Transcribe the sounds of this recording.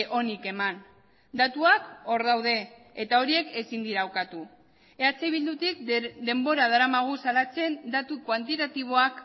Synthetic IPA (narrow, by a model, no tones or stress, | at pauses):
ʔo̞nike̞man | d̪at̪uako̞ɾðawð̞e̞ːt̪ao̞ɾie̞ke̞sind̪iɾaowkat̪u | e̞at͡sejβild̪ut̪ik̚d̪e̞mbo̞ɾað̞aɾamaɣ̞usalat͡se̞nd̪at̪ukwant̪it̪at̪iβ̞o̞ak